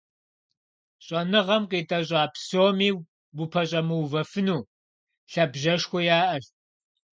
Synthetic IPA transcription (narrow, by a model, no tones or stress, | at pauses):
ɕʼɐnɨʁɐmqiːtʼɐɕ̬ʷʼɑːpʰsoːmiː | bʊpʰɐɕʼɐmɨwvɐfɨnuː | ɬɐbʒɐʂxʷɔjaːʔɐɬt̚